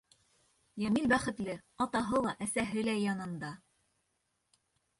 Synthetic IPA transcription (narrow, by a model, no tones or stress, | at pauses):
jæmilbæχɘ̆t̪lɘɑt̪ɑɦɤlˠɑʔæsæɦɘlæjɑnɤ̆nd̪ɑ